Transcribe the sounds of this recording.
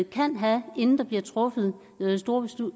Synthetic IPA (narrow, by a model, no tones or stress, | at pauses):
kʰæn̰ɦæe̝nn̩d̥ɑ̈b̥liɐt͡sʰʁɔ̽fəð̞̩ˠ | sd̥o̝ːɐb̥esu